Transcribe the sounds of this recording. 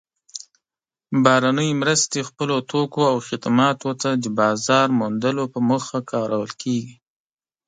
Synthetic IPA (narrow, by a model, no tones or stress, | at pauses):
bɑɾanəjmɾəst̪expəlot̪okoawxɪd̪mɑt̪ot̪ad̪əbɑzɑɾmund̪əlopəməxakʰɑɾawəlkʰeɡi